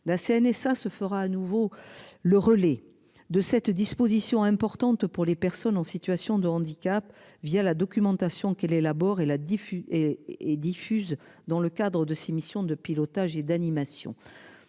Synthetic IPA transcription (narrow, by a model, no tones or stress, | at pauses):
laseɛnɛsasəfəʁaːnuvoləʁəlɛ | d̪əsɛt̪d̪ispozisjɔ̃ɛ̃pɔʁt̪ɑ̃t̪puʁlepɛʁsɔnɑ̃sit̪ɥasjɔ̃d̪əɑ̃d̪ikap | vijalad̪ɔkʲymɑ̃t̪asjɔ̃kɛlelabɔʁelafeed̪ifyz | d̪ɑ̃ləkad̪ʁəd̪əsemisjɔ̃d̪əpilɔt̪aʒed̪animasjɔ̰̃